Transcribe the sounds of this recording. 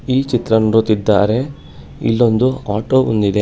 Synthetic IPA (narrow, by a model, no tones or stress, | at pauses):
iːt͡ʃit̪ɾɐnuɾut̪id̪ːaːɾe̞ | ḭlːo̞nd̪uaːʈoːund̪id̪e̞